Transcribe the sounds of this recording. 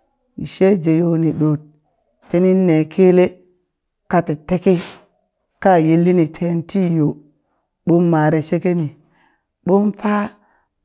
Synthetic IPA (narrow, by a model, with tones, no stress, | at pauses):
i˨ʃe˦d͡ʒe˨jo˨ni˨ɗo˨t̚ː | e˦ni˦nːe˨kʰe˦le˦ | ka˦ti˨te˦ke˦ | ka˦˨je˦lːi˦ni˨tʰe˦nti˦jo˨ | ɓo˦mːa˨ɾe˨ʃe˦ke˦ni˨ | ɓo˦mfa˦